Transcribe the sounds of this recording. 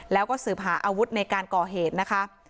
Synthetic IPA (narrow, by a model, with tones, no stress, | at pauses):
lɛː˦˥wkɔː˥˩sɯː˨˩p̚ɦaː˩˦ʔaː˧wu˦˥t̪̚na˧jkaː˧nkɔː˨˩ɦeː˨˩t̪̚na˦˥kʰa˦˥ʔ